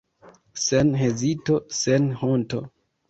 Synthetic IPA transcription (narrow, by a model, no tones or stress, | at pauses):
senɦezito̞senhonto̞̰